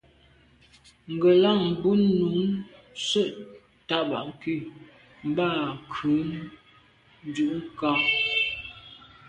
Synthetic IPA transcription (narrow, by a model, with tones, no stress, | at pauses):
ŋ̩˨ɡə˨la˦˨ŋm̩˨bu˦nu˨˦n | sə˦ʔ | ta˦ʔba̰˨ʔŋ˨ki˦˨ | m̩˦ba˦˨kʰʉ˨˦n | n˦d͡ʒu˦˨ʔŋ˦ka˦